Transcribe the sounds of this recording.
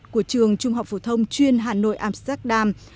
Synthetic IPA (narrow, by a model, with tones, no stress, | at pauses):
ku˧˩ət͡ɕɨ˨˩əŋt͡ɕʊ˧ŋ͡mɦa˨˩w̚fo˧˩t̪ʰə˧wŋ͡mt͡ɕwi˧ənɦaː˨˩no̰˧˨jʔaː˧mst̪ɛ˦˥k̚ɗaː˧m